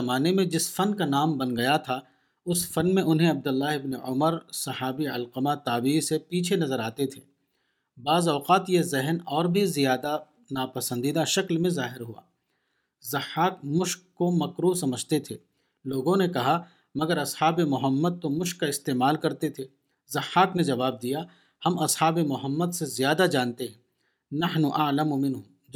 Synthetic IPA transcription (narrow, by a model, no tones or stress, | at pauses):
ɐmaːnemẽd͡ʒɪsfɐnkanaːmbɐnɡɐjat̪ʰa | ʊsfɐnmẽʊnɦẽɐb̚d̪ʊlːaːɦɪbneʊməɾsɐhaːbiɐlqəmat̪aːbiːsepiːt͡ʃʰenɐzəɾaːt̪et̪ʰeː | baːzɔːqaːt̪jezɛɦnɔːɾbʱizijaːd̪a | naːpɐsə̃nd̪iːd̪aʃɐklmẽzaːɦɪɾɦua̰ː | zɐħaːkmʊʃkːomɐkɾuːsɐməd͡ʒʱt̪et̪ʰeː | loːɡõnekɐɦa | mɐɡəɾɐshaːbemʊɦəmːəd̪̚t̪omʊʃkːaɪst̪eːmaːlkɐɾt̪et̪ʰeː | zɐhːaːkned͡ʒɐʋaːb̚d̪ija | hɐmɐshaːbemʊɦəmːəd̪sezjaːd̪ad͡ʒãːnt̪eɦɛ̃ː | nɐħnuʔaːlamʊmɪnɦũː